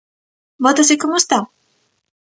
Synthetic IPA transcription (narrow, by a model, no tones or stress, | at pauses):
bɔt̪ɐsikomʊest̪aw